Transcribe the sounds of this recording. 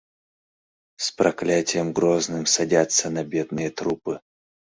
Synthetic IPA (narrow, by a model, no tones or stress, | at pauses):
spɾɐklʲatʲɪjəmɡɾoznɨmsɐdʲat̪sənɐbʲed̪nɨjət̪ɾupɨ